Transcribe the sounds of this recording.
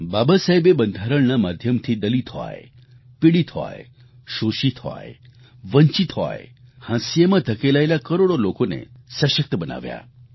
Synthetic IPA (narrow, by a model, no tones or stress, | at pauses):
babasajbebənd̪ʱaɾəɭnamad̪ʱjəmt̪ʰid̪əlit̪ɦɔ̰j | piɽit̪ɦɔ̰j | ʃoʃit̪ɦɔ̰j | ʋəɲt͡ʃit̪ɦɔ̰jhãsjemãd̪ʱəkelajlakəɾoɽolokonḛsəʃək̚t̪əbəna̰ʋja̰